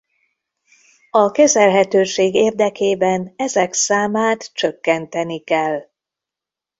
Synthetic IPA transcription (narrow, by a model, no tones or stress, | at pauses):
ɒkɛzɛlɦɛt̪øːʃeːɡeːrd̪ɛkeːbɛnɛzɛksaːmaːt̪t͡ʃøkːɛnt̪ɛnikɛl